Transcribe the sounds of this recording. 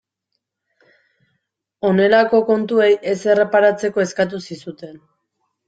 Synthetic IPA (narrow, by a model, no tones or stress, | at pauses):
o̞ne̞lako̞ko̞nt̪ue̞je̞se̞re̞paɾat͡se̞ko̞e̞skat̪̬usisut̪e̞n